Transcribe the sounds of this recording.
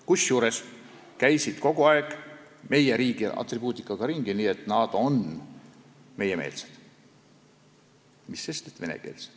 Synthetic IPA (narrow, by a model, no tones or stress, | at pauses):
kusjuːɾe̞s | kæjsid̪̥ko̞ɡ̥uɑeɡ̥ | me̞jeɾiːɡ̥iʔɑ̰t̪rib̥uːt̪ˑikːˑɑɡ̥ɑɾiŋɡ̥iniːet̪ˑnɑd̪̥o̞n | me̞jeme̞̰ːlsed̪̥ | misːest̪et̪ve̞nḛke̞̰ːlse̥d̪̥